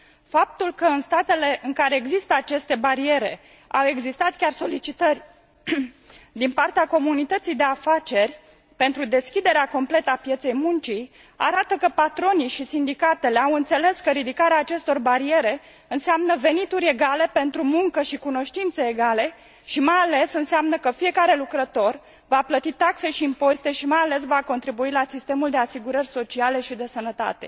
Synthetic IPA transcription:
fap̚t̪ulkəɨnst̪at̪e̞le̞ʔɨŋkaɾe̞ːɡzist̪əat͡ʃe̞st̪e̞baɾie̞ɾe̞ | awe̞ɡzist̪at̪kʲarso̞lit͡ʃit̪ərʲ | d̪inpart̪eako̞munit̪ət̪sijd̪e̞afat͡ʃe̞rʲ | pe̞nt̪ɾud̪e̞skʲid̪e̞ɾeako̞mple̞t̪əapje̞t̪se̞jmunt͡ʃi | a̰ɾat̪əkəpat̪ɾo̞niʃisind̪ikat̪e̞le̞awɨnt̪se̞le̞skəɾid̪ikaɾeaːt͡ʃe̞st̪o̞rbaɾie̞ɾe̞ | ɨnseamnəve̞nit̪uɾʲe̞ɡale̞pe̞nt̪ɾumuŋkəʃikuno̞ʃt̪int̪se̞ːɡale̞ | ʃimajale̞sɨnseamnəkəfije̞kaɾe̞lukɾət̪o̞r | vaplət̪it̪akse̞ʃiːmpo̞zit̪e̞ʃimajale̞s̬vako̞nt̪ɾibuilasist̪e̞muld̪e̞asiɡuɾərʲso̞t͡ʃiale̞ʃid̪e̞sənət̪a̰t̪e̞̰

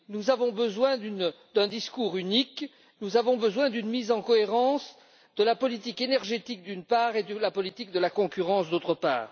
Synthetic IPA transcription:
nuzavɔ̃bəzwɛ̃d̪yn | d̪ɛ̃d̪iskuʁynik | nuzavɔ̃bəzwɛ̃d̪ynmizɑ̃kɔeʁɑ̃s | d̪əlapɔlit̪ikenɛʁʒet̪ik̚d̪ynpaːʁed̪əlapɔlit̪ik̚d̪əlakɔ̃kʲyʁɑ̃sd̪ot̪χəpa̰ːʁ

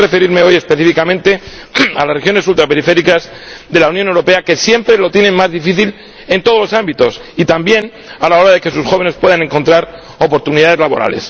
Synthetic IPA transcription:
refe̞ɾiɾme̞o̞je̞speθifikamẽnt̪e̞a̰lasrexjo̞ne̞sult̪ɾape̞ɾife̞ɾikazðe̞launjone̞wɾo̞pe̞ake̞sje̞mpɾe̞lo̞t̪jenemmazðifiθil | e̞nt̪o̞ð̞o̞lo̞sambit̪o̞sit̪ambje̞n | alao̞ɾaðe̞ke̞susxo̞β̞e̞ne̞spwe̞ðane̞ŋko̞nt̪ɾaɾ | o̞po̞ɾt̪uniðaðe̞zlaβo̞̰ɾa̰le̞s

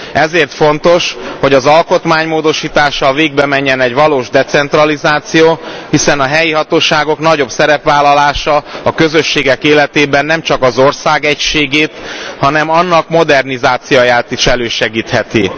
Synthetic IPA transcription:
ɛzeːrt̪fo̞nt̪o̞ʃho̞ɟɒzɒlko̞t̪maːɲmoːd̪o̞ʃiːt̪aːʃɒveːɡ̚bɛmɛɲːɛnɛɟʋɒloːʒd̪ɛt̪sɛnt̪ɾɒlizaːt̪sijoːhisɛnɒɦɛjiɦɒt̪oːʃaːɡo̞kn̪ɒɟo̞bsɛɾɛpʋaːlːɒlaːʃɒɒkø̞zø̞ʃːeːɡɛkeːlɛt̪eːbɛnːɛmt͡ʃɒkɒzo̞rsaːɡɛcʃeːɡeːt̪hɒnɛmɒnːɒkmo̞d̪ɛrnizaːt̪sijojaːt̪iʃɛløːʃɛɡiːt̪hɛt̪i

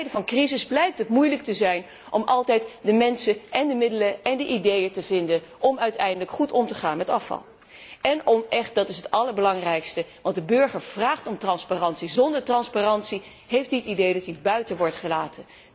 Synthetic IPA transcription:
jdəvɑnkrizɪzblɛjk̚tɦətmujlək̚təzɛjn | ʔɔmʔɑlˠtɛjtdəmɛnsəʔɛndəmɪdələɛndəʔidejətəvɪndənʔɔmœɥtɛ̰jndələkχutɔmtəχa̰ːnmɛtɑfɑ̰lˠ | ɛnɔmɛχt̚dɑtɪsɦətɑləɹbəlɑŋrɛjkstəʋɑntdəbɵɹχəɹv̥raːχtɔmtrɑnsparɑntsizɔndəɹtrɑnsparɑntsi | ɦejftiətidejdɑtibœɥtənʋɔɹtχəlaːtə

